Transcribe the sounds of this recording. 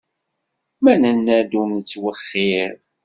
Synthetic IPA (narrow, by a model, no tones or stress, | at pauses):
mænənːæd̪umət͡sːwəχːiɾ